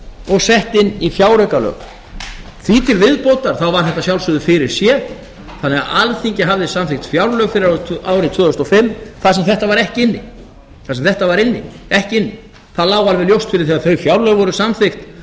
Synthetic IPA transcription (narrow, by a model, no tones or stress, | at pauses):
ɔɣsɛht̪ɪnːifjawɾœkalœ̰ːɣ | θvit̪ʰɪlvɪðpowt̪aɾ̥θawvaɾ̥θɛht̪ːasjawlsʏðʏfɪɾɪɾ̥sjɛ | θanːɛɣa̰alθiɲcɪɦavðɪsamθɪxt̪fjawɾlœɣfɪɾɪɾaaːwɾɪt̪vœːðʏst̪ɔfɪmːθaðs̬ɛmθɛht̪avaɾɛhcɪɪnːɪ̰ | θasɛmθɛht̪avaɾɪnːɪ̰ | ɛhcɪɪnːɪ | θaðlaːwalvɛðljowst̪fɪɾɪɾ̥θɛːɣaɾθœɥfjawɾlœɣvɔɾʏsamθɪxt̪